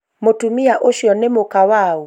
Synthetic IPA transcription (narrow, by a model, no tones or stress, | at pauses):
motumiaʔoʃjɔnɛmokawau